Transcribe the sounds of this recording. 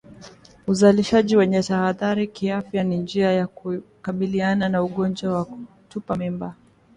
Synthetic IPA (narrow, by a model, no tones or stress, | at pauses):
uzaliʃaʄiwɛɲɛtahaðaɾikiafjanind͡ʒiajakukaɓiliananauɠɔnd͡ʒwawaku | tupamimba